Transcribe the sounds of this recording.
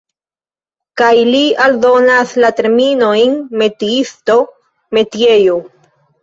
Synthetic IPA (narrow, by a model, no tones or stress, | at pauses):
kajlialdo̞naslate̞ɾminojnme̞tiisto̞ | me̞tje̞jo